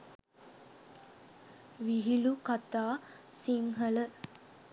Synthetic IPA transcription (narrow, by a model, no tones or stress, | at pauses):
ʋiɦilukat̪aː | siŋɦələ